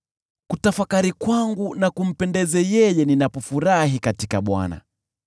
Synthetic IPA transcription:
kutafakaɾikwaŋɡunakum̩pɛndɛzɛjɛjɛninapɔfuɾaɦikatikaɓwa̰na̰

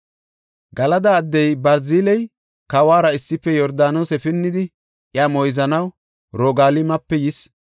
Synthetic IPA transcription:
ɡɐlɐd̪ɐːd̪ːɛjbɐɾziːlɛj | kɐwaːɾɐɪsːɪpːɛjɔɾd̪aːnosɛfɪnːɪd̪ɪ | ʔjamɔjzɐnɐw | ɾɔːɡaːlɪmɐpːɛjɪs

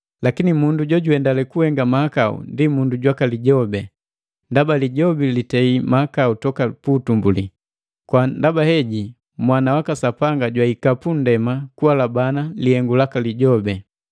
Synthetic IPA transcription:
lakinimunduɟɔɟuɛndalɛkuhɛŋɡamahakaṵndimunduɟwakaliɟɔbɛ | ndabaliɟɔbilitɛimahakautɔkaputumbṵli | kwandabahɛɟi | mwanawakasapaŋɡaɟwaikapun̩dɛmakuwalabanalihɛŋɡulakaliɟɔbɛ

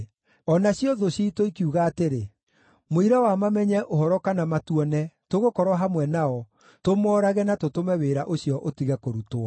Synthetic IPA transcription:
ɔnaɕiɔðoɕitoikiuɣaːteɾe | moiɾawamamɛɲɛʔoɦɔɾɔkanamatuɔnɛtoɣokɔɾwaɦamwɛnaɔ | tomɔːɾaɣɛnatotomɛweɾaʔoɕiɔʔotiɣɛkoɾutoa

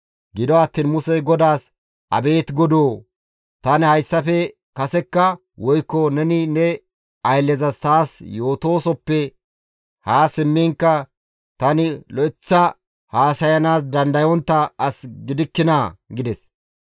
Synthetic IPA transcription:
ɡɪd̪ɔɐt̪ːiːnmʊsɛɡɔd̪aːs | ʔɐ̰be̞ːt̪ɡɔd̪oː | t̪ɐnhɐjsːɐfɛ | kɐsɛkːɐ | wɔjkːɔnɛnɪnɛ | ɐjlːɛzɐst̪aːsjo̞ːt̪o̞ːsɔpːɛ | haːsɪmːɪŋkːɐ | t̪ɐnɪlɔɪt͡sːɐ | haːsɐjɐnaːs̬d̪ɐnd̪ɐjɔnt̪ːɐɐsɡɪd̪ɪkːɪnaɡɪd̪ɛs

